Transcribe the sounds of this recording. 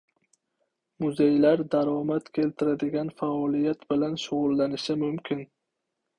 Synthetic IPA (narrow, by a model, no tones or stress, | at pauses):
mʊzejlaɾd̪aɾɒmat̪kʲʰe̞lt̪ʰɪɾad̪ɪɡʲanfaɒlijat̪bɪlanʃʊʁʊlːanɪʃɪmʊmkʲʰɪn